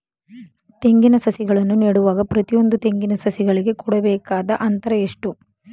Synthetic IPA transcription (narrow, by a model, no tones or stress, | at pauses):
t̪e̞ŋɡinɐsɐsiɡɐɭɐnːuniːɽuʋaːɡɐpɾɐt̪ijo̞nd̪ut̪e̞ŋɡinɐsɐsiɡɐɭiɡe̞kuɽɐbɛːkaːd̪ɐʔɐnt̪ɐɾɐeʂʈu